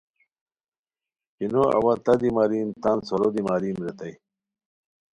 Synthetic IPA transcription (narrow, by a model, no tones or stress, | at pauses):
pinoɐ̰wɐt̪ɐd̪imaːɾimt̪ansoɾod̪imaːɾiːmɾet̪ɐj